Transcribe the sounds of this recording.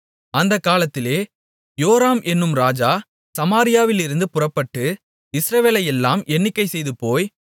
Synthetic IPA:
ɐnd̪ɐkːaːlɐt̪ːɪleː | joːɾaːmʔɛnːɯmɾaːd͡ʒaː | sɐmaːɾɪjaːʋɪlɪɾɯnd̪ɯpʊrɐpːɐʈːɯ | ɪsɾɐʋeːlɐjɛlːaːmɛnːɪkːɐɪsɛjðɯpoːj

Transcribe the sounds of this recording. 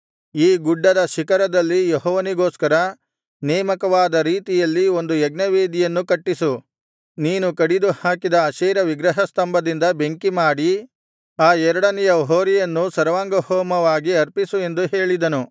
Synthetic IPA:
iːɡuɖːɐd̪ɐʃikɐɾɐd̪ɐlːijeɦɔːʋɐniɡo̞ːskɐɾɐ | nɛːmɐkɐʋaːd̪ɐɾiːt̪ijɐlːio̞nd̪uɛɡnɐʋeːd̪ijɐnːukɐʈːisu | niːnukɐɽid̪uhaːkid̪ɐːʃɛːɾɐʋiɡɾɐɦɐst̪ɐmbɐd̪ind̪ɐbe̞ŋkimaːɽi | aːɛɾɐɽɐnɛjɐɦoːɾijɐnːusɐɾɐʋaːŋɡɐhoːmɐʋaːɡiɐɾpisue̞nd̪uɦeːɭid̪ɐnu

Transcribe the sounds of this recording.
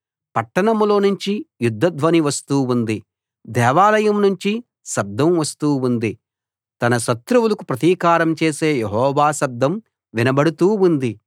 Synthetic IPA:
pɐʈːɐɳɐmlo̞ːnuɲt͡ʃijud̪ʱːɐd̪ʋɐniʋɐst̪uːund̪i | d̪ɛːʋaːlɐjɐmnuɲt͡ʃi | ʃɐb̚d̪ːɐmʋɐst̪uːund̪i | t̪ɐnɐʃɐt̪ɾuwulɐkupɾɐt̪iːkaːɾɐmt͡ʃeːseːjeɦɔːʋaːsɐb̚d̪ːɐm | ʋinɐbɐɽut̪uːund̪i

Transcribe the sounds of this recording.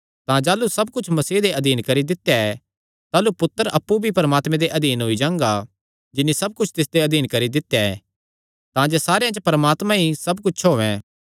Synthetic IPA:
t̪ãd͡ʒaːlusɐb̚kʊt͡ʃʰmɐsiːd̪eʔɐd̪iːnkɐɾid̪ɪt̪ejaɛ | t̪aːlupʊt̪ːəɾʔɐpːubʱipɐɾəmaːt̪mɛ̃d̪eʔɐd̪iːnɦʊid͡ʒãːŋɡa | d͡ʒɪnːisɐb̚kʊt͡ʃʰt̪ɪsd̪eɐd̪ʱiːnkɐɾid̪ɪt̪jaɛ̰ | t̪ãd͡ʒesaːɾejãt͡ʃəpɐɾəmaːt̪mãɦisɐbkʊt͡ʃʰɦoːʋɛ̰̃

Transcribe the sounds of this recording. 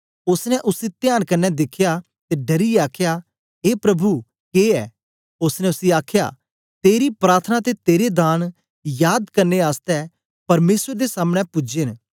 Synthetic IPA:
ʊsnɛ̃ʔʊsit̪jaːnkɐnːɛd̪ɪkʰja | t̪eɖɐɾiaːkʰja | ɦeːpɾɐbʱu | keːɛː | ʊsnɛ̃ʊsiaːkʰja̰ː | t̪eːɾipɾaːɾt̪ʰənat̪et̪eːɾed̪aːn | jaːd̪kɐɾneaːst̪ɛ | pɐɾmeːsəɾd̪esaːmɽ̃ɛpʊd͡ʒen

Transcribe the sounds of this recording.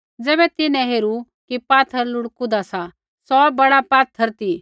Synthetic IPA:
d͡zɛːbɛt̪ɪnɛ̃ɦeːɾu | kipaːt̪ʰəɾlʊɽkud̪asa | sɔbɐɽapaːt̪ʰːəɾt̪iː

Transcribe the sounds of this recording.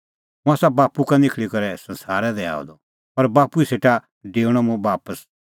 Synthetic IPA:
mũaːsabaːpukanɪkʰɭikɐɾɛsɐ̃nsaːɾɛd̪ɛa̰ːɔ̰d̪ɔ | pɐɾbaːpuiseːʈa | ɖeːuɽ̃ɔ̃mũbaːpəs

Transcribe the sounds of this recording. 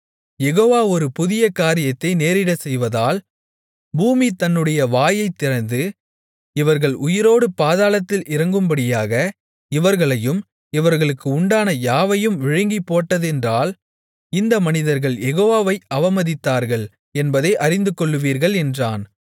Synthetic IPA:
jɛɣoːʋaːɔɾɯpʊðɪjɐkaːɾɪjɐt̪ːɐɪneːɾɪɽɐsɛjʋɐðaːl | buːmit̪ɐnːɯɽɐjɐʋaːjɐɪt̪ːɪɾɐnd̪ɯ | ɪʋɐɾɣɐɭʔʊjɪɾoːɽɯpaːðaːlɐt̪ːɪlʔɪɾɐŋɡɯmbɐɽɪjaːɣɐ | ɪʋɐɾɣɐɭɐjɯm | ɪʋɐɾɣɐɭɯkːɯʊɳɖaːnɐjaːʋɐjɯmʋɪɻɪŋɡipːoːʈːɐðɛndraːl | ɪnd̪ɐmɐnɪðɐɾɣɐɭjɛɣoːʋaːʋɐɪɐʋɐmɐðɪt̪ːaːɾɣɐɭ | ɛnbɐðɐɪʔɐɾɪnd̪ɯkːɔɭːɯʋiːɾɣɐɭɛndraːn

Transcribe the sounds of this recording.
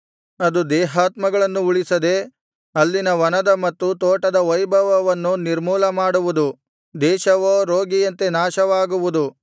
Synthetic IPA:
ɐd̪ud̪ɛːɦaːt̪mɐɡɐɭɐnːuuɭisɐd̪e | ɐlːinɐʋɐnɐd̪ɐmɐt̪ːut̪oːʈɐd̪ɐʋɐjbʱɐʋɐʋɐnːuniɾmuːlɐmaːɽuʋud̪u | d̪ɛːʃɐʋoːɾoːɡijɐnt̪e̞naːʃɐʋaːɡuʋud̪u

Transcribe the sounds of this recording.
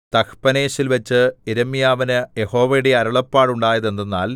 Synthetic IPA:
t̪ɐkpɐne̞ːɕilʋɐt͡ɕːɨeɾɐmijaːʋɐnɨjeho̞ːʋɐjɽe̞ɐɾɐɭɐpːaːɽuɳɖaːjɐðe̞nːenːa̰ːl

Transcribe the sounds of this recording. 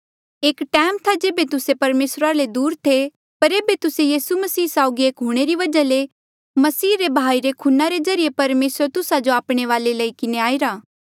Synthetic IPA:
eːkʈɛːmt̪ʰad͡ʒeːbet̪ʊsepɐɾmeːsɾaled̪uːɾt̪ʰe | pɐɾeːbet̪ʊsejiːsumɐsiːsaːʊɡieːkɦʊɽ̃eɾiʋɐd͡ʒale | mɐsiːɾebʱaːiɾekʰʊnaɾezɐɾijepɐɾmeːsəɾt̪ʊsad͡ʒoaːpɽ̃eʋaːleləikɪneaːɪɾaː

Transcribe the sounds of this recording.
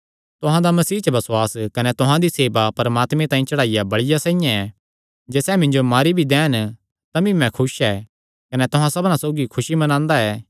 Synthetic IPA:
t̪ʊɦãd̪amɐsiːt͡ʃɐbɐswaːskɐnɛt̪ʊɦãd̪iseːbapɐɾɐmaːt̪mẽt̪ãːĩt͡ʃɐɽaːɪjabɐɽɪjasãːɪjãɛ | d͡ʒɛːsɛmɪ̃nd͡ʒomaːɾibʱid̪ɛːn | t̪ɐbĩmɛ̃kʰʊʃɛː | kɐnɛt̪ʊɦãsɐbnãsoːɡikʰʊʃimɐnãːnd̪aɛː

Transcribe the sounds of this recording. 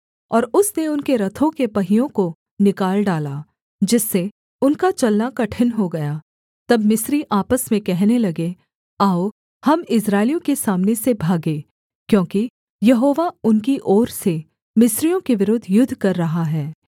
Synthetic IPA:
ɔːɾʊsneʊnkeɾɐt̪ʰõkepɐɦijõko | nɪkaːlɖaːlaː | d͡ʒɪsːe | ʊnkat͡ʃɐlnakɐʈʰɪnɦoɡɐjaː | t̪ɐbmɪsɾiʔaːpəsmẽkɛɦnelɐɡe | aːo | hɐmɪs̬ɾaːɪlijõkesaːmnesebʱaːɡeː | kjõːki | jɐɦoːʋaʊnkiʔɔːɾse | mɪsɾijõkeʋɪɾʊd̪ʱjʊd̪ʱːkɐɾːɐɦaɦɛː

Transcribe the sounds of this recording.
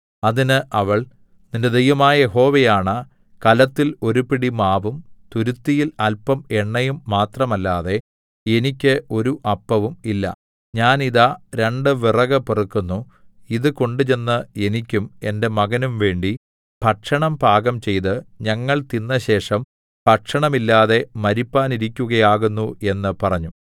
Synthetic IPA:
ɐðinɨʔɐʋɐɭ | ninde̞d̪ejʋɐmaːjɐje̞ɦo̞ːʋejaːɳɐ | kɐlɐt̪ːilo̞ɾupiɽimaːʋumt̪uɾut̪ːijilɐlpɐme̞ɳːɐjumːaːt̪rɐmɐlːaːðe̞ | e̞nikʲːɨʔo̞ɾuʔɐpːɐʋumilːɐ̰ | ɲaːniðaɾe̞ɳɖɨʋirɐɣɐpirɐkːunːu | iðɨko̞ɳɖɨt͡ɕe̞nːɨe̞nikʲːume̞nde̞mɐɣɐnumʋe̞ːɳɖi | b̥ʱɐʈʂɐɳɐmbʱaːɣɐmt͡ɕe̞jt̪ɨɲɐŋːɐɭt̪inːɐɕe̞ːʂɐm | b̥ʱɐʈʂɐɳɐmilːaːðe̞mɐɾipːaːniɾikʲːuɣɐjaːɣunːue̞nːɨpɐrɐɲːu

